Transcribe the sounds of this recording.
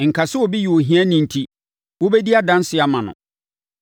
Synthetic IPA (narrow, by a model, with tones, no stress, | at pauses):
ŋ̩˨kʰa˨sɪ˦wɔ˨bi˦ji˨wo˨ɦĩ˦æ̃˦nĩ˨n̩˨tʰi˦ | wo˦be˦di˦a˦dã˦n˦sɪ˨˦a˨mã˨nʊ̰̃˨